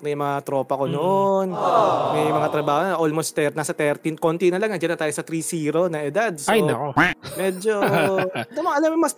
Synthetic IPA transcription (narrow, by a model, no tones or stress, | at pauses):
mɐjmɐŋat̪ɾo̞ːpɐko̞nonmɐjmɐŋat̪ɾɐbaːhonoʔolmost̪ɛnaːsɐt̪ɛɾt̪inkont̪inɐlɐŋnɐd͡ʒɐnːɐt̪aːjosɐt̪ɾisiːɾonɐʔɛd̪ad̪̚sajɐkomɛːd͡ʒo | d̪omɐŋɐnomɐs